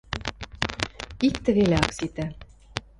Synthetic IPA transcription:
ikt̪ɘ̆ɣeleɑksit̪æ̆

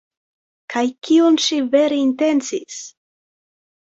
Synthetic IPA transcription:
kajkionʃive̞ɾeinte̞nt͡sis

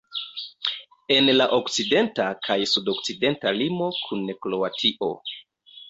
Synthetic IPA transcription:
e̞nlaʔokt͡side̞ntakʰajsudo̞kt͡side̞ntalimo̞kʰunːeklo̞atʰiʔo̞̰

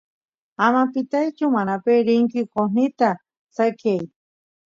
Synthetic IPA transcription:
amapɪt̪ajt͡ʃʊmanapeɾɪŋkɪkon̥it̪a | sakjaj

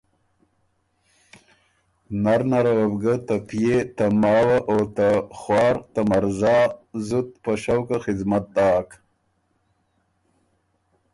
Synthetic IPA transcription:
naɾnaɾawabɡət̪apijet̪amɑːwaʔot̪axwɑːɾt̪amaɾzɑːzut̪̚pəʃawkaxɪdmat̪̚d̪ɑːk

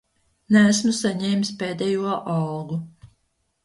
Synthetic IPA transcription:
næːsmusaɲɛːmspeːd̪ɛjuɔʔɑlɡu

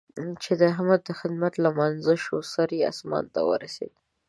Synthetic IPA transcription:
t͡ʃed̪əɦamad̪̚d̪ːəxɪd̪mat̪lamanzəʃosaɾea̰smɑ̰nt̪a̰wə̰ɾasḛd̪

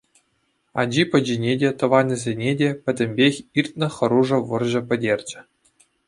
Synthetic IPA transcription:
ɑ̰d͡ʑipʲɘ̆d͡ʑinʲedʲet̪ɤ̆ʋɑnʲɘ̆zʲenʲedʲepʲɘ̆dʲɘ̆mʲbʲexʲirt̪̚ʲnʲɘ̆χɤ̆ɾuʐɤ̆ʋɤ̆rʑɤ̆pʲɘ̆dʲerʲd͡ʑɘ̆

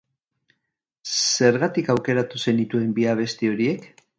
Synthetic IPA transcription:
se̞ɾɣat̪ikawke̞ɾat̪use̞nit̪ue̞mbiaβ̞e̞st̪io̞ɾie̞k

